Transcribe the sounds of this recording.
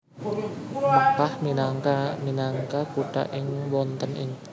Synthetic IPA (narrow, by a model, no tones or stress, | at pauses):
mukahminaŋkaminaŋkakuɖ̥a̰ʔɪŋwɔnt̪ənɪ̰ŋ